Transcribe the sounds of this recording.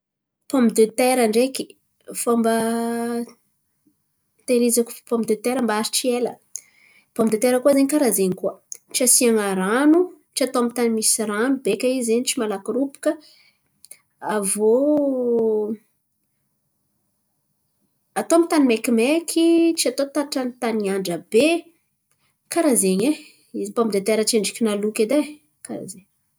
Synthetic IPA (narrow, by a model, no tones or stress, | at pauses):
pombid̪øt̪eɾaɳɖ͡ʐeki̥ | fombə | t̪eɾizaku̥pombid̪øt̪eɾəmbaaɾiʈ͡ʂielə̰ | pomid̪et̪eɾəkuəzeɲikaɾazeɲikuəʈ͡ʂasiaŋaɾanu | ʈ͡ʂiat̪oamit̪animisɾanubekʲaizeɲiʈ͡ʂimalakuɾupu̥kə | avo | at̪oamit̪animekimekʰit͡ʃiat̪ot̪aʈ͡ʂanit̪aniaɳɖ͡ʐəbe | kaɾazeɲe | izibamid̪et̪eɾəʈ͡ʂeɳɖ͡ʐikʲinalukʲed̪a | kaɾa̰zeɲ